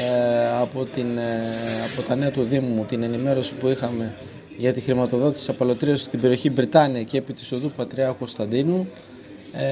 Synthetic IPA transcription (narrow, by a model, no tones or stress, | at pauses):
ɐpo̞t̪inɐpo̞t̪ɐne̞ɐt̪uðimumut̪ine̞nime̞ɾo̞si̥puixɐme̞ | ʝɐt̪ixɾimɐt̪o̞ðo̞t̪isiɐpɐlo̞t̪ɾiɐsi̥st̪ibe̞ɾio̞çibɾit̪ɐniɐceːpit̪i̥so̞ðupɐt̪ɾiɐko̞st̪ɐnd̪inu